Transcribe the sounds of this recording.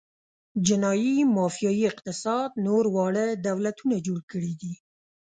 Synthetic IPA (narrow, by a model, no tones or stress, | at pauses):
d͡ʒɪnɑjimɑfijɑjiɪq̚t̪ɪsɑd̪noɾwɑɽəd̪awlat̪unad͡ʒoɽkəɽid̪i